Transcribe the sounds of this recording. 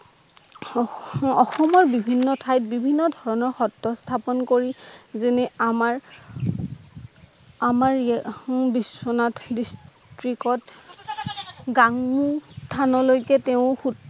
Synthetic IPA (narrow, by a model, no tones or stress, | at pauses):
ɔxɔmɔɹbibʱinːɔtʰajt̚bibʱinːɔdʱɔɹɔnɔɹxɔtːɔstʰapɔnkoɹizenɛamaɹ | amaɹ | biswɔnatdistɹikɔt | ɡaŋmustʰanɔlojkɛteʊ̃xut